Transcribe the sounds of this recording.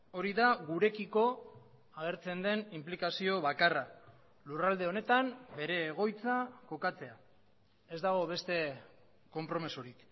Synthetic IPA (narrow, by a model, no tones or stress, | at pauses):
o̞ɾiðaɣuɾe̞kiko̞ | aɣ̞e̞ɾt͡se̞nd̪e̞nimplikasio̞βakara | lurald̪e̞o̞ne̞t̪ambe̞ɾe̞ːɣ̞o̞jt͡sako̞kat͡se̞a | e̞zd̪aɣ̞o̞βe̞st̪e̞ | ko̞mpɾo̞misuɾik